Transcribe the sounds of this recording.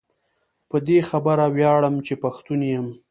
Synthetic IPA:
pəd̪exabaɾawjɑɽəmt͡ʃepaxt̪unjəm

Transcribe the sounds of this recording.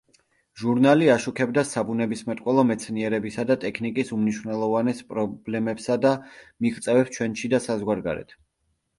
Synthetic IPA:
ʒuɾnaliaʃukʰɛbd̪asabunɛbismɛt̪ʼqkʼwɛlˠɔmɛt̪sʰniɛɾɛbisad̪at̪ʼɛkʰnikʼisumniʃwnɛlˠɔvanɛspʼɾɔblɛmɛpsad̪amiχʼt̪sʼɛvɛpst͡ʃʰwɛnʃid̪asazɡwaɾɡa̰ɾɛ̰t̪ʰ

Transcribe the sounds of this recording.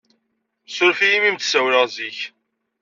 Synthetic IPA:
sʊɾfijimimt̪sæwləʁziç

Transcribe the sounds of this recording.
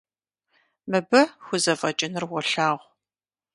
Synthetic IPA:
mɨbɐxʷʊzɐfʼɐt͡ʃʼɪnɨrwʷɔɬaːʁʷ

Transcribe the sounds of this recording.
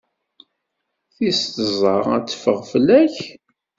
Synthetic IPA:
θist̪əzˤəʁæ̰t͡sːə̥fəʁflæç

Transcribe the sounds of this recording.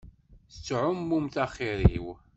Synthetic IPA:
θət͡sːʕʊmːumθæχiɾḭw

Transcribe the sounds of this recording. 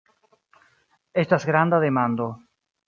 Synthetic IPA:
est̪asɡɾand̪aðemãnd̪o

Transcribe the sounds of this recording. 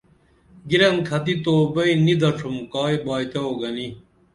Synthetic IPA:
ɡiɾɐnkʰɐt̪it̪oːbɐinid̪ɐʈ͡ʂʰumkaːibaːit̪eoɡɐni

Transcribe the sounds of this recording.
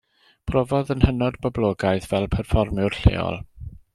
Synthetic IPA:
pʰrɔvɔðənhənɔdbɔblˠoːɡajθv̥ɛlˠpʰɛrfɔrmʊrɬḛːɔ̰lˠ

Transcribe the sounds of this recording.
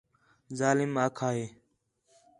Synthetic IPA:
zaːlɪmaːkʰaːɦeː

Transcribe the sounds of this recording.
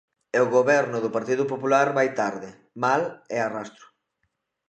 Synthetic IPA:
eoɣoβɛɾnʊðʊpaɾt̪iðʊpopulaɾβajt̪aɾðɪ | malɛarast̪ɾʊ̥

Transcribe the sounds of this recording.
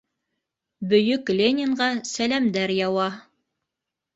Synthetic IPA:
bɵ̆jɵklʲenʲɪɴʁɑsælæmd̪æɾjɑwɑ

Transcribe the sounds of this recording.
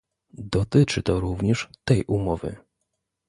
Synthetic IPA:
d̪ɔt̪ɘt͡ʂɘt̪ɔɾuvɲɛʂt̪ɛjʔumɔvɘ̰

